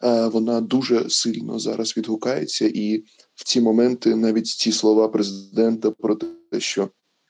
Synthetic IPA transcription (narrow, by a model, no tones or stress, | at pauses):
ʋɔnɑd̪uʒɛsɪlʲnɔ̰zɑ̰ɾʔɐzʋʲid̪ɦʊkɑjḛt͡sʲːɐʔi | wt͡sʲimɔmɛnt̪ɪnɑʋʲitʲt͡sʲislˠɔʋɑpɾezɪd̪ɛnt̪ɐpɾɔt̪ɛʃt͡ʃɔ